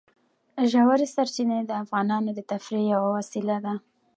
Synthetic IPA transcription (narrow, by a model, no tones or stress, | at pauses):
ʒawaɾesaɾt͡ʃined̪əafɣɑnɑnod̪ət̪afɾejawawɑsilad̪a